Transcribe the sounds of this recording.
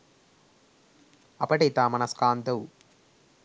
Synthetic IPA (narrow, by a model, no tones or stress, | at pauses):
ɐpːɐʈɐt̪aːmɐnɐskaːnt̪ɐwu